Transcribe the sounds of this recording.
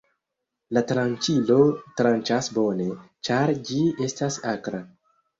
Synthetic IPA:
latɾant͡ʃilo̞tɾant͡ʃasbo̞ne̞ | t͡ʃaɾd͡ʒie̞stasakɾa

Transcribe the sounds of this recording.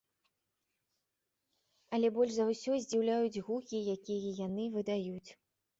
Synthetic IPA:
ɐlʲɛbɔlʲʐzɐwsʲɔzʲd͡zʲiwlʲajud͡zʲɣukʲijakʲijɐjanɨvɨd̪ajut͡sʲ

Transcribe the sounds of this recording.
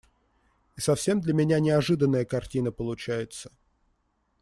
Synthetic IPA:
isɐfsʲe̞md̪lʲəmʲɪnʲanʲɪɐʐɨd̪ənːəjəkɐrtʲinəpəlˠʊt͡ɕæjɪt̪sə̥

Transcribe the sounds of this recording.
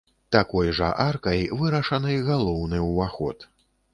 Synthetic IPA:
t̪akɔjʐɐ̰ʔarkɐjvɨɾɐʂɐnɨjɣalˠɔwnɨwvaxɔ̰t̪

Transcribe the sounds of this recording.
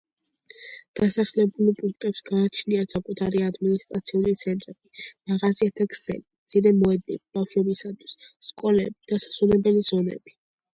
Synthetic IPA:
d̪̥asaχlɛbulipʼuŋk̚ʰt̪ʼɛpsɡaːt͡ʃʰniasakʼut̪ʰaɾiad̪minist̪ʼɾat̪sʰiulit̪sʰɛnt̪ʼɾɛbimaʁaziat̪ʰakʰsɛ̰lid̪z̥iɾɛmɔɛd̪̚nḭbib̥afʃwɛbisat̪ʰwi̥sːkʼɔlɛbid̪̥asḁsunɛbɛliz̥ɔnɛ̰b̥i

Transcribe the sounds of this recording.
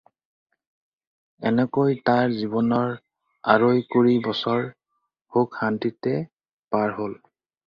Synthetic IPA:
ɛnɛkojtaɹzibɔnɔɹ | a̰ɹojkoɹibɔsɔɹ | hokhantitɛ | paɹɦol

